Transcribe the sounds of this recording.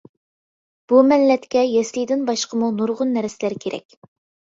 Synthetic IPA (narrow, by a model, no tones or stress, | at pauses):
b̥umɛlːɛt̪kʲɛjɛslijd̪ɪnbɑʃqəmunuɾʁʊnːɛɾɪsɪlæɾkʲʰeɾʔɛ̰kʲ